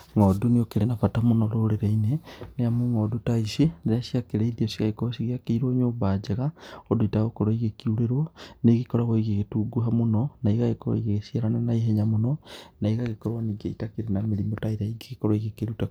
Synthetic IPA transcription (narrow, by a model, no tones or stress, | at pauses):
ŋoːduniokeɾenafatamonoloɾeɾeineneamuŋodotaiseneaʃiakeɾeiðiosikaikosiɣiakeiɾoːɲoːbad͡ʒeɣaodoitaɣokoɾoiɣekiuɾeɾwoneɣikoɾaɣoiɣeɣetuɡuɦamononaiɣaɣekoɾo̰iɣeɣesiaɾanenaiɦeɲamononaiɣaɣekoɾwaniɡḛitakeɾenameɾimotaiɾaiɡeɣekoɾaiɣekeɾuta